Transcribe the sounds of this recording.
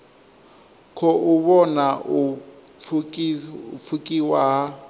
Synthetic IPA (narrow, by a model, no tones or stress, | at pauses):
kʰɔʔuβɔnau | fʰukʼiwaɦa